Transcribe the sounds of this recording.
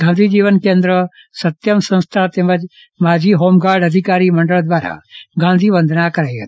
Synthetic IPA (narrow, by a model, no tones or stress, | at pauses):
ɡ̥ʱãnd̪ʱiːd͡ʒiːʋənkẽnd̪ɾə | sɐt̪jəmsɐ̃nst̪ʰat̪ẽməd͡ʒ | maːd͡ʒiɦoːmɡaːɾɖɐd̪ʱɪkaːɾimɐ̃ɳɖəɭd̪ʋaːɾa̰ɡʱãːnd̪ʱiːʋə̃nd̪ʱnakɐɾajɦɐt̪